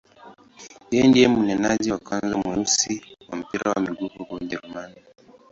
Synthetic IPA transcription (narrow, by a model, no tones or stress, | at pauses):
jɛndiɛmunɛnaʄɛwakwanzamɛusiwam̩piɾawamiɡuvukud͡ʒɛɾumani